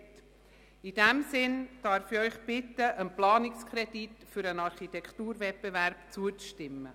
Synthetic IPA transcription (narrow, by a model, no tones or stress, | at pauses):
t | id̥ɛmsɪnd̥ɑɾfiœʏχb̥ɪtːəʔənplɑːnɪkskʰɾɛditfʏɾənɑɾχitɛktuːɾvɛt̚pevæɾb̥t͡suət͡sʃtɪmːə̰